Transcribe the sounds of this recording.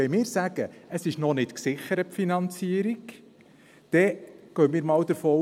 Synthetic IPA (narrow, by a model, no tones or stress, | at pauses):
ɛmɪːɾsæɡ̥əəsɪʃnɔnɪtksɪχəɾəpfinɑnt͡siəɾiɡ | d̥ɛɡ̥œːmɪːɾmɑːwd̪əɾfɔː